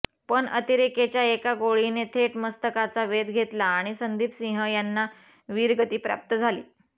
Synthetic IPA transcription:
pəɳət̪iɾeket͡ɕjaekaɡoɭinet̪ʰeʈməst̪əkat͡saʋed̪ɡʱet̪laːɽ̃isənd̪iːpsĩɦəjanːa | ʋiɾɡət̪iːpɾa̰p̚t̪əd͡zʱalḭː

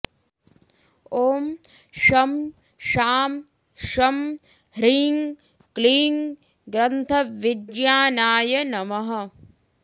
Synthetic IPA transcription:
oːm | ʃɐm | ʃaːm | ʃɐm | hɾiːŋ | kliːŋ | ɡɾɐnt̪ʰɐʋidjaːnaːjɐnɐmɐɦɐ

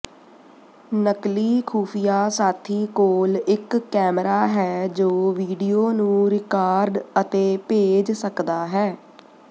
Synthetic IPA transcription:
nəkliːkʰuːpʰɪjaːsaːt̪ʰiːkoːlɪkːɛːmɾaːɦɛːd͡ʒoːʋiːɖijoːnũːɾɪkaːɾɖət̪eːpeːd͡ʒsəkd̪aːɦɛː

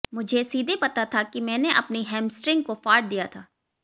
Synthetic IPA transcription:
mʊd͡ʒʱesiːd̪ʱepɐt̪at̪ʰakimɛ̃ːneʔɐpniɦɛ̃ːmsʈɾɪ̃ŋɡkofaːɾʈ̚d̪ijat̪ʰaː

